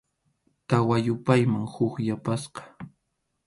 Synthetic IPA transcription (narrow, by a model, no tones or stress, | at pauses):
t̪awajʊpajmaŋhʊkjapasqɑ̥